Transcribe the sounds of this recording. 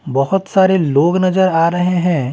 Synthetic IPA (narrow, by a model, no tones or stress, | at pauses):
bɐɦʊt̪saːɾeloːɡnɐzəɾaːɾɐɦeɦɛ̃ː